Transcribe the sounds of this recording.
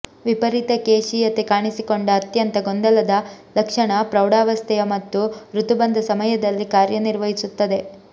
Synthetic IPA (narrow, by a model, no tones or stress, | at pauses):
ʋipɐɾit̪ɐkeːʂijɐt̪ekaːɳisikoɳɖɐːt̪jɐnt̪ɐɡond̪ɐlɐd̪ɐlɐkʂɐɳɐpɾɐwɽaːʋɐst̪ʰɛjɐmɐt̪ːuɾut̪ubɐnd̪ɐsɐmɐjɐd̪ɐlːikaːɾjɐniɾʋɐɦisut̪ːɐd̪e̞